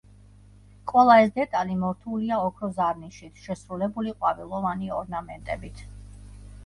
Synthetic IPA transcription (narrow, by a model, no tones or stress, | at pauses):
qʼwɛlˠaɛsd̪ɛt̪ʼalimɔɾt̪ʰuliaɔkʰɾɔzaɾniʃit̪ʰʃɛsɾulɛbuliqʼwavilˠɔvaniɔɾnamɛnt̪ʼɛbit̪ʰ